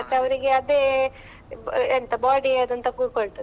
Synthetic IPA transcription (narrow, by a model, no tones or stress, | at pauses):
t̪ːeɐʋɐɾiɡe̞ɐd̪eː | ent̪ɐbaːɖiɐd̪ɐnt̪ɐkuːɽ̚koɭt̪ɐ